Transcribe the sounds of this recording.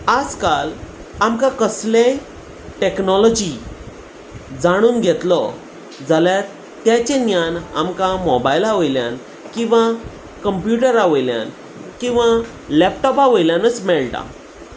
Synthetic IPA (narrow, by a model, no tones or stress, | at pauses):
ad͡zkal | amkãkəslẽ | ʈeknɔlɔd͡ʑi | d͡zaɽ̃uːnɡʱɛt̪lɔ | d͡zaljaɾ | t̪jat͡ɕẽnjana̰mkãmɔbajilaʋəjlja̰n | kĩw̃ʋã | kəmpjuʈəɾaʋəjlja̰n | kĩw̃ʋã | lɛpʈɔpaʋəjljãnət͡smɛɭʈa̰